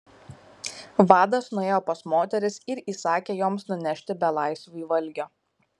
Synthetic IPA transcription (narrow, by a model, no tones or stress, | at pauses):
ʋɑːd̪ɐsnʊeːjopɐsmoːt̪ʲɛɾʲɪsɪɾiːsɑːkʲeːjoːmsnʊnʲɛʃʲt̪ʲɪbʲɛlˠɑˑɪsʋʊiːʋɐlʲˑɡʲoː